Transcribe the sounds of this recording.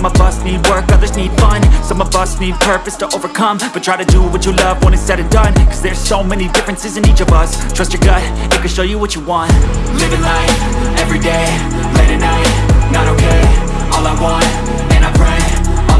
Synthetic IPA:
ʌ̃mʌbʌsnid̚wɜ˞kʌðə˞znid̥fʌ̃nsʌ̃mʌbʌsnid̚pʰɜ˞pɨstʰəʔoʊvə˞kʰʌ̃mb̥ʌtʰɹ̥aɪɾɨdəwʌt͡ʃɨlʌvwʌ̃ñɨtsɛɾɨ̃ndãɪ̃nkʰʌzðə˞z̥soʊmɛnidɪfɹɨ̃nsɨzɨ̃nit͡ʃʌvʌstʰɹ̥ʌst͡ʃə˞ɡaɪ | ɨt̚kɨ̃nʃoʊjɨwʌt͡ʃəwɑ̃nt̚lɪɾnaɪt | ɛvɹideɪ | leɪɾɨnaɪt̚ | nəɾoʊkʰeɪ | ɔlˠaɪwɑ̃n | ɨ̃naɪpʰɹ̥eɪ̃

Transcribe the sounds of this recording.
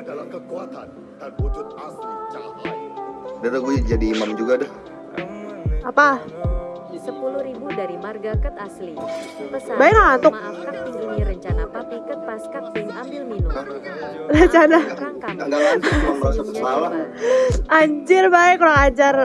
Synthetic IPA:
dalaɡud͡ʒadiːmamd͡ʒuɡadɛ | apa | səpulʊhɾibudaɾimarɡakat̪asli | baɛk̚lakant̪ʊk̚aɲiɾəɲt͡ʃanapapikət̪̚paskat̪̚ambɪlminʊ | rəɲt͡ʃanaakaɡaaaasaəslala | ʔaɲd͡ʒɪrbaɪkːolaŋad͡ʒar

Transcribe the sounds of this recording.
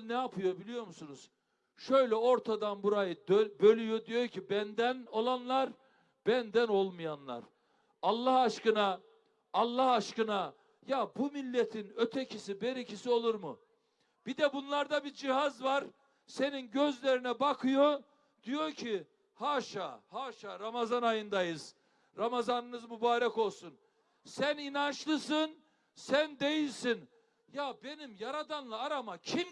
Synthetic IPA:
nɛapʰɯjo̞bilʲijo̞ɾmusunuz̥ | ʃøjlʲɛo̞ɾt̪ʰad̪anbuɾajɯd̪øbø̞lʲyjo̞d̪ijoɾcʰibænd̪æno̞lˠanlˠaɾ | b̥ænd̪æno̞lˠmɯjanlˠa̰ɾ | alˠːahaʃkɯnaː | lˠːahaʃkɯna | jabumilʲːet̪ʰinø̞t̪ʰecʰisibeɾicʰisio̞lˠuɾmu | b̥id̪ɛbunlˠaɾd̪abid͡ʒiɦazvaɾ | se̞ninɟøzlʲeɾinɛbakʰɯjo̞ | d̪̥ijo̞ɾcʰi | haːʃa̰ːhaːʃaːɾamazanajɯnd̪ajɯz̥ | ɾamazanɯnɯzmubaːɾɛko̞lˠsun | sæninant͡ʃlˠɯsɯn | sænd̪e̞jilʲsin | jabe̞nimjaɾad̪anlˠaːɾamacʰim

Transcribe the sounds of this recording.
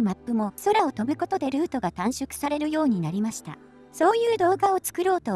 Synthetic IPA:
mapːɯ̟mo̞so̞ɾao̞t̪o̞bɯko̞t̪o̞d̪e̞ɾɯ̟ːt̪o̞ɡat̪ãɰ̃ɕokɯ̟̥saɾe̞ɾɯ̟jo̞ːɲ̟inaɾʲimaɕi̥t̪a̰ | so̞ːjɯːd̪o̞ːɡao̞t͡sɨ̥kɯ̟ɾo̞ːt̪o

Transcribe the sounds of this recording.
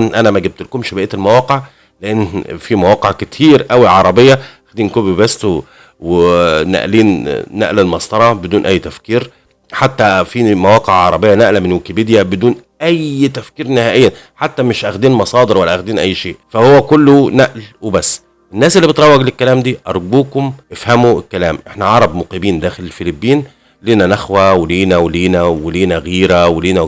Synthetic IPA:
nʔænæmæɡeb̚t̪lkomʃebeʔet̪elmæwɑːqeʕ | leʔenːfimæwɑːqeʕket̪ʰiːɾʔæwiʕɑɾˤɑbejːɑʔæxd̪iːnkobbæst̪ | wenæ̰ʔliːnːæ̰ʔlælmɑsˤt̪ˤɑɾˤɑbed̪uːnʔæjːt̪æfkiːɾ | ħat̪ːæfimæwɑːqeʕʕɑɾˤɑbejːɑnæʔlæmenwekibid̪jæbed̪uːn | ʔæjt̪æfkiːɾnɪhæːʔejːæn | ħat̪ːæmeʃʔæxd̪iːnmɑsˤɑːd̪eɾwælːæʔæxd̪iːnʔæjːʃeːʔfæhowːækolːonæʔlwebæsː | ʔenːæːsʔelːibet̪ɾˤɑwːɑɡlekːælæːmd̪iːʔɑɾˤɡuːkomʔefhæmuekːælæ̰ːmʔeħnæʕɑɾˤɑbmoqibiːnd̪æːxelelfelibːiːn | liːnænæxwæweliːnæweliːnæweliːnæɣiːɾæweliːnæ

